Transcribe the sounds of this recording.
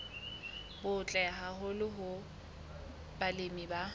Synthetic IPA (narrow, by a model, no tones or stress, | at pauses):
bʊt͡ɬʼɛɦaɦʊlɪɦʊ | balɪmiba